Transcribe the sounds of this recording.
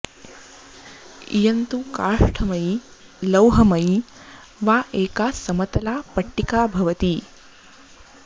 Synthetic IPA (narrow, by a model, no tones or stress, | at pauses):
ḭjɐnt̪ukaːʂʈʰɐmɐi | lɐwɦɐmɐi | ʋaːʔeːkaːsɐmɐt̪ɐlaːpɐʈːikaːbʱɐʋɐt̪i